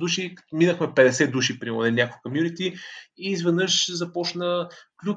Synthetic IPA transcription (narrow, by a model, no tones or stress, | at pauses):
d̪uʃiminəxmɛpɛd̪ɛsɛd̪uʃipɾimo̰nɛnʲakolˠkomjunit̪iizvɛd̪nɤʃzɐpɔt͡ʃnəklʲu